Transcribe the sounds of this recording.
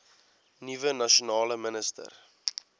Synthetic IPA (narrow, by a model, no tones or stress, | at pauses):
nivənɐʃonɑːləmənəstə̰r